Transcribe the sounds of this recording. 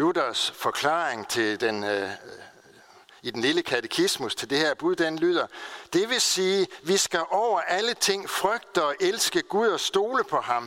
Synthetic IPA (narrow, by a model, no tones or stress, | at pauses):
lud̥ɐsfɒ̽kʰlɑ̰̈ːʁeŋt͡sʰe̝ld̥en | id̥enliləkʰæt͡sʰekʰismust͡sʰe̝ld̥e̝heɐb̥uðˠd̥enlyð̰ˠɐd̥e̝ʋe̝siːʋisɡ̥æʔɒʊ̰ɐʔælət͡sʰe̝ŋ̰fʁœɡ̥̚d̥əɒ̽ʔelsɡ̥əɡ̥uðˠɒ̽sd̥o̝ːləpʰɒ̽ɦɑ̈m